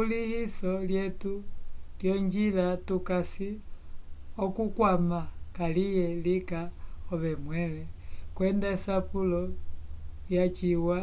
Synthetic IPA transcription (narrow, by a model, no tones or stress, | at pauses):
ulihisɔljɛtuljɔɲd͡ʒilatukasi | ɔkukwamakalijɛlikaɔβɛmwɛlɛkwɛndaisapulɔ | jat͡ʃiwa